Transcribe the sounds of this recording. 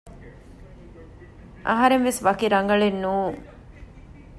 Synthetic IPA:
ʔɐ̰ɦɐɾenʋesʋɐkiɾɐŋɡɐɭenːuːŋ

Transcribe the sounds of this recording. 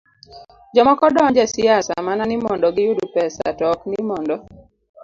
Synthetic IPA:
d͡ʒɔmɔkɔdɔɲd͡ʒɛsɪasa̰mananɪmɔndɔɡɪjʊdupɛsa̰tɔknɪmɔndɔ

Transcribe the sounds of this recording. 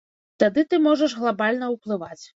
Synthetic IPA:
t̪ad̪ɨt̪ɨmɔʐɐʂɣlˠabalʲn̪ɐwplˠɨvat͡sʲ

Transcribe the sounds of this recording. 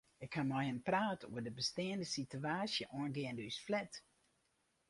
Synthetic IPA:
ɪkhamajənpraːtʰṵːədəbəsteːndəsityaːsjəʔɔənɡeəndysflɛt

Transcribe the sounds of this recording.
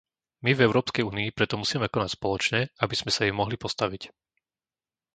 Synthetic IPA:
mivɛʊɾɔːpskɛjuːniːpɾɛt̪ɔmusiːmɛkɔnacspɔlɔt͡ʃɲɛabiz̥mɛsajɛmɔɦlipɔst̪aʋic

